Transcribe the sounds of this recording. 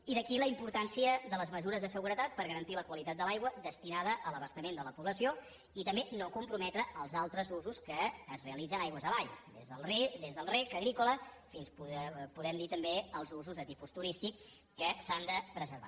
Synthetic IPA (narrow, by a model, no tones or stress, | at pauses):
iðəkiləimpuɾt̪ansiəðələzməzuɾəzðəsəɣuɾət̪at̪̚pəɾɣəɾənt̪iləkwəlit̪at̪̚d̪əlajɣwəðəst̪inaðəʔələβəst̪əmend̪ələpuβləsio | it̪əmbenokumpɾumɛt̪ɾəʔəlˠzalˠt̪ɾəzuzuskəːzreəlid͡zənajɣwəzəβaʎd̪ezðəlˠd̪ezðəlˠrekəɣɾikuləfinspupuðɛmd̪it̪əmbeəlˠzuzuzðət̪ipust̪uɾist̪ikː | əsand̪əpɾəzəɾβa̰